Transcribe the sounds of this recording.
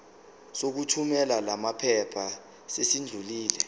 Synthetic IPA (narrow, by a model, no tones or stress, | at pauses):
sok̬utʰumɛlalamapʰɛpʰa | sesind͡ɮʱuliːlɛ